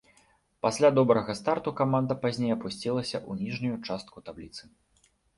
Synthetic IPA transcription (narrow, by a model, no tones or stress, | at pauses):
pasʲlʲad̪ɔbɾɐɣɐst̪art̪ukamand̪ɐpazʲnʲejɐpusʲt͡sʲilˠɐsʲɐʔunʲiʐnʲujut͡ʂast̪̚kut̪ablʲit̪sɨ